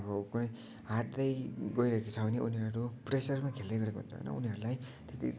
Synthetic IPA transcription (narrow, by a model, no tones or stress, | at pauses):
bʌkunʌj | ɦaʈd̪ʌjɡʌiɾʌekot͡sʰʌbʌniuniɦʌɾupresʌrmakʰeld̪ejɡʌɾekoɦunt̪ʰo̰ʌ̰jnʌ̰uniɦʌɾulajt̪est̪ḭ